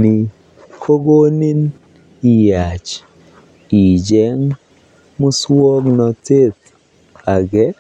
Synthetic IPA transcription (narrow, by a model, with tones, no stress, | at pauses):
ni˨ | kʰo˦ɡo˦ni˦n | i˨ja˨t͡ʃ | i˨d͡ʒɛ˦ŋ | mʊ˦swo˦knɔ˨te˦t | a˨ɡɛ˦